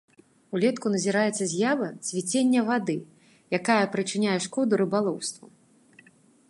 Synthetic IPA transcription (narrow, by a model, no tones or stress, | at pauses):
ulʲɛt̪kunɐzʲiɾajɛt̪sːɐzʲjavɐt͡sʲvʲit͡sʲenʲːɐvad̪ɨ | jakajɐpɾɨt͡ʂɨnʲajɛʂkɔd̪uɾɨbalˠɔwst̪vu